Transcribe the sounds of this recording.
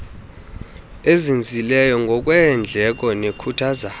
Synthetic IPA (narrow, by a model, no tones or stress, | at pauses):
ezind͡zʱilɛjɔŋɡʱɔkʼwɛnd͡ɮʱɛk̬ʼɔnekʰutʰaːza